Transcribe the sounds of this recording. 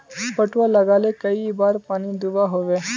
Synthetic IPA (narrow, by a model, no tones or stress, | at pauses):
pəʈʋaləɡaːlekəibaɾpaːnid̪uʋaɦoʋe